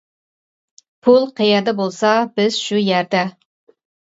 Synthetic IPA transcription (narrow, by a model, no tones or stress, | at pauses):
pʰulˠqʰejɛd̪ɛbolˠsɑbɪz̥ʃujæɾd̪ɛ